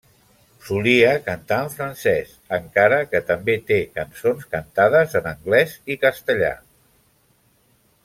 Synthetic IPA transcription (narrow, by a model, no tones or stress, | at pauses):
suliəkənt̪aəɱfɾənsɛs | əŋkaɾəkət̪əmbet̪ekənsonskənt̪aðəzənəŋɡlɛzikəst̪əʎa̰